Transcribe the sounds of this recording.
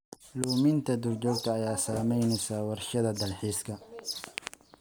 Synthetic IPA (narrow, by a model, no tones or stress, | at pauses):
luːmɪnt̪ʰɐd̪ʊrt͡ʃɔːɡ̚t̪ʰɐːjaːsaːmɛjnɛjsaːwɑrʃɐðɐd̪ɐlħiːskʰɐ